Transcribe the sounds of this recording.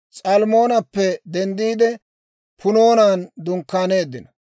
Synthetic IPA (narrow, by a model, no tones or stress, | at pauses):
t͡sʼɐlmo̞ːnɐpːɛd̪ɛnd̪iːd̪ɛ | pʰʊno̞ːnaːnd̪ʊŋkːaːne̞ːd̪ːɪnɐ